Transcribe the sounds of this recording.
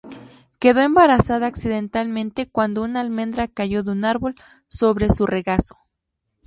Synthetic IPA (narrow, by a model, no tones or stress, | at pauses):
ke̞ðo̞e̞mbaɾasaðaːksiðe̞nt̪almẽnt̪e̞kwand̪ounalmẽ̞nd̪ɾakaʝo̞ðeunaɾβo̞l | so̞βɾe̞sure̞ɣaso̥